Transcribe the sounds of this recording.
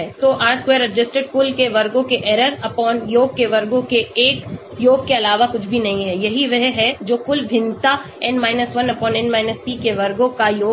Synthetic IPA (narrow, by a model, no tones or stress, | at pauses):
ɛt̪oːʔaːɾʈkwʋeːəɾːɪd͡ʒɪsʈəɖ̚kʊlkeʋɐɾɡõkeʔɛːɾəɾɐpɔːnjoːɡ̚keʋɐɾɡõkeeːk | joːɡ̚keɐlaːʋakʊt͡ʃʰbʱinɐɦĩɦɛjɐɦiʋɛɦɦɛd͡ʒoːkʊlbʱɪ̃nt̪aɛnmaːɪnəsʋɐnɐpɔːnɛ̃nmaːɪnəspiːkeʋɐɾɡõkajoː